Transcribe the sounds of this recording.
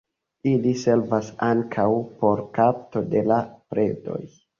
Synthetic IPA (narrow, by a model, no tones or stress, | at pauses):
ilise̞lvasaŋkʰawpo̞ɾkap̚to̞de̞lapɾe̞do̞̰j